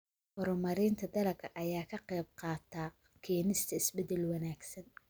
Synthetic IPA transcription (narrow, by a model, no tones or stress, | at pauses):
hɔɾʊmɐɾɪːnt̪ʰɐd̪ɐlɐkʰɐʔɐjaːkʰɐqɛjb̚qɑːt̪ʰaː | kʰiːnɪst̪ʰɐɪsbɛd̪ɛlwɑnaːɡsɐn